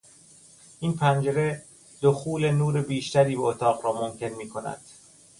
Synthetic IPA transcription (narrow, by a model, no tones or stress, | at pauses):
ʔiːnpʰænd͡ʒeɾe | d̪̥oxuːle̞nuːɾebiːʃt̪æɾiːbeot̪ʰɒːɣɾɒːmomcʰe̞nmiːkʰo̞næ̰d̪̥